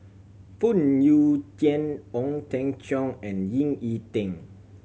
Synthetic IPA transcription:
fut̚njutɛ̃nɔ̃ŋtɛ̃ŋt͡ʃɔ̃ŋɛ̃njĩŋitĩŋ

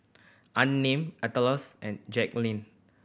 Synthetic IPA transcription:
ʔãnːẽmatəlɔsɛ̃nd͡ʒɛk̚lĩn

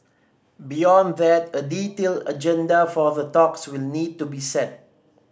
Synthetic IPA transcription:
bijɔ̃nðɛtəditelə̰d͡ʒɛ̃ndafɔðətɔkswilnid̚tubisɛt̚

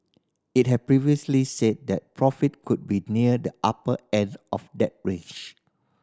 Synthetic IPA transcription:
it̚hɛd̚pɹiviəslised̚dɛt̚pʰɹɔfit̚kʰud̚biniədəʔapəɛ̃ndɔfdɛt̚ɹet͡ʃ

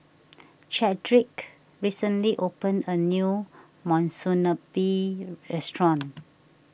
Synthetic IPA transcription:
t͡ʃɛdɹik | ɹisə̃nliʔopə̃nənju | mɔ̃nsunəbiɹɛstɹɔ̃n

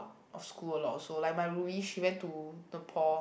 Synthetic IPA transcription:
t̚ | ʔɔfskuəlɔtsolajk̚maɪɹubiʃiwɛ̃ntunəpʰɔ

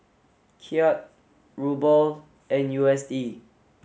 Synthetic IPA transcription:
kʰiɔt̚ | ɹubəl | ɛ̃njuɛsdi

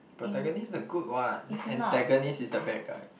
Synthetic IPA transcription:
pɹot̪ɛɡɔnisdəɡut̚wat̚ɛ̃ntɛɡonisisdəbɛkə̰

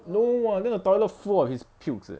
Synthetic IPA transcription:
nowãndɛ̃nətɔləfɔɔfhispʰiks

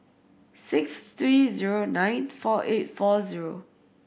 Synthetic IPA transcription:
sɪkst̪ɹiziɹonãj̃nfɔʔetfɔziɹo

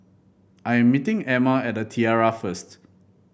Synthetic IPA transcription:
ʔajɛ̃mːitĩŋɛmaɛt̚dətʰiaɹafəst

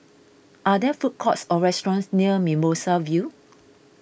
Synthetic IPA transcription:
ʔadɛfut̚kʰɔtsɔɹɛstɔɹɔ̃nsniəmimosavju

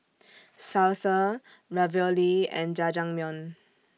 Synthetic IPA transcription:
salsə | ɹavəliɛ̰̃nd͡ʒad͡ʒãŋmjɔ̃n

